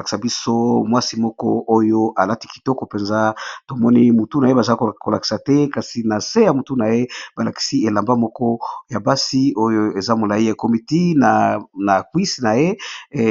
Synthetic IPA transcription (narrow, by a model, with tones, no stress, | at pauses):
ki̥˨sa˨bi˦so˦mwa˦si˦mɔ˦kɔ˦ʔo˦jo˦ʔa˨la˦ti̥˦ki̥˨tɔ˦kɔ˨pe˨nza˦to˨mɔ˦ni˦mu˨tu˦na˨je˦ba˨za˦kko˨la˨ki̥˨sa˨tɛ˦ka˨si˨na˨se˦ja˨mu˨tu˦na˨je˦ba˨la˨ki̥˨si˦e˨la˨mba˦mɔ˦kɔ˦ja˨ba˦si˦o˦jo˦e˨za˦mo˨la˨i˦ja˨ko˨mi˨ti˦na˨na˨kwi˦sna˨je˦